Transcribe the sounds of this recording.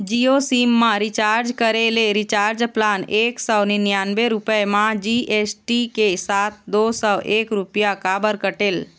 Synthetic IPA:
d͡ʒiosimːãɾɪt͡ʃaːɾd͡ʒkəɾeleɾɪt͡ʃaːɾd͡ʒplaneːksəwnenjaːnʋeɾʊpəemãd͡ʒiʔesʈikesat̪̚ʰd̪oːsəʔeːkɾʊpjakabəɾkəʈel

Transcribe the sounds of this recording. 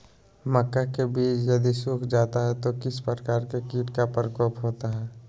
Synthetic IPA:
məkːakebiːt͡ʃjəd̪isukʰd͡ʒaːt̪aɦɛt̪okɪspɾəkaːɾkekiːʈkapəɾəkɔːpɦoːt̪aɦɛː

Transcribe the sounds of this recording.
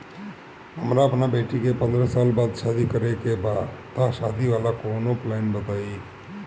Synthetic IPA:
ɦəmɾaəpnabeʈikepə̃nd̪ɾəsaːlbaːd̪ʃad̪ʱikəɾekebat̪aʃad̪ʱiʋalakonoplaɪnbət̪ai

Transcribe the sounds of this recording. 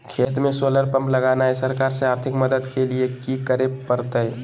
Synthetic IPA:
kʰeːt̪mẽsoləɾpəmpləɡanaesəɾkaɾseaːɾt̪ʰɪkməd̪əd̪keliekikəɾepəɾt̪əj

